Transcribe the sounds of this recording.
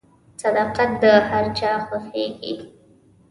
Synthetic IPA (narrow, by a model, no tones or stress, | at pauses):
sad̪ɑqat̪̚d̪əhaɾt͡ʃɑxwaxeɡḭ